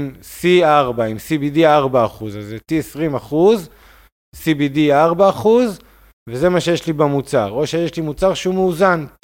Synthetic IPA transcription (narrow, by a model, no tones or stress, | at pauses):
msiaʁbaimsibidiaʁbaːχuzazetiesʁimaχuz | sibidiaʁbaːχuz | veze̞maʃe̞jeʃlibamut͡saʁo̞ʃejeʃlimut͡saʁʃeumeuzan